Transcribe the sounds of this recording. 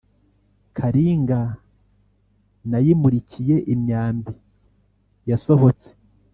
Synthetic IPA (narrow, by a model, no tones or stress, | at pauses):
kʰaɾiːŋɡa | najimuɾicʰije̞ʔimɲaːmbi | jaso̞ɦo̞t͡se̥